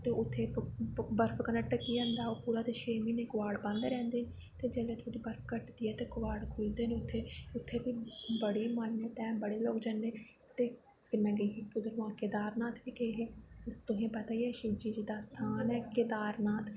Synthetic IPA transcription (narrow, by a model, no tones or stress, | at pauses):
t̪eːʊt̪ʰːeːbəɾpʰkənəʈkiːə̃nd̪aːoːpuːɾaːt̪eːʃeːmiːneːkʊʋaːɽbãnd̪ɾɛ̃ːnd̪eːn | t̪eːd͡ʒɛːlẽːt̪ʰod̪iːbəɾpʰkəʈd̪iːɛːt̪eːkʊʋaːɽkʰʊld̪eːneːʊt̪ʰːeːʊt̪ʰːeːbiːbəɽiːmanːeːt̪ɛ̃ːbəɽeːloːd͡ʒənːeː | t̪eː | fʰɪɾnɛ̃ɡəːɦkʊzəɾʋãːkeːd̪aːɾnaːt̪ʰbiːkeɦeːt̪ʊɦẽːpət̪aːiːɛːʃɪbd͡ʒiːd͡ʒiːd̪aːst̪ʰaːnɛːked̪aːɾnaːt̪ʰ